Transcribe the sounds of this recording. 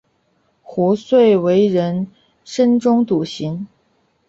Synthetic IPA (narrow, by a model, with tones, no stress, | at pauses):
xu˧˥swe˥˩ɪwe˧˥ɪɻə˧˥n | ʂə˥nʈ͡ʂʊ˥ŋt̪u˨˩ɕi˧˥n